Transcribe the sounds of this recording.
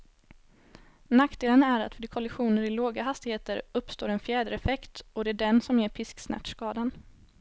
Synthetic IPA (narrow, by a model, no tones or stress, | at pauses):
naktd̪eːlənæɾat̪fœɖkʰɔlɪɧuːnəɾɪloːɡaɦast̪ɪheːt̪əɾɵpːst̪oːɾɛnfjɛːd̪əɾɛfɛkt̪ɔd̪ɛæɖɛnsɔmæpʰɪsksnæ̰ʈʂkɑːd̪an